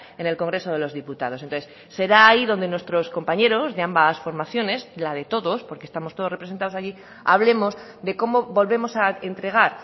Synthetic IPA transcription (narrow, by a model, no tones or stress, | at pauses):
e̞ne̞lko̞ŋɡɾe̞so̞ð̞e̞lo̞zðiput̪aðosent̪onθes | se̞ɾaːiðond̪e̞nwe̞st̪ɾo̞sko̞mpaɲe̞ɾo̞zðe̞ambasfo̞ɾmaθjo̞ne̞zlað̞e̞t̪o̞ðo̞spo̞ɾkest̪amost̪o̞ð̞orepɾesent̪aðosaʝi | a̰β̞le̞mo̞zd̪e̞ko̞mo̞βo̞lβe̞mo̞saent̪ɾe̞ɣ̞aɾ